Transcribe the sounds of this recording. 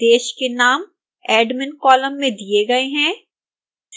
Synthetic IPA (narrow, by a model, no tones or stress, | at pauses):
d̪eːʃkenaːm | ɛːɖmɪnkɔːlə̃mːẽd̪ieɡɐeɦɛ̃ː | s